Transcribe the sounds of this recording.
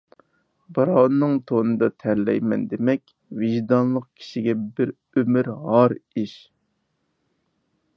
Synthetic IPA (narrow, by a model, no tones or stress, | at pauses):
bɑɾɑwnnːɨŋt̪ʰonɨd̪ɑt̪ʰɛɾlɛ̰jmɛnd̪emɛkʲ | vɪʒd̪ɑnlˠəqkʲʰi̥ʃiɡʲɛbɪɾ | ømɪɾɦɑɾiʃ